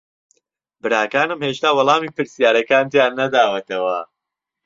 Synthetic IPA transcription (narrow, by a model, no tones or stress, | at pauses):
bɨɾaːkaːnɨmheːʃt̪aːwɑlˠaːmiːpɨɾsijaːɾɐkaːnt̪jaːnːɐd̪aːwɐt̪ʰɐwɐ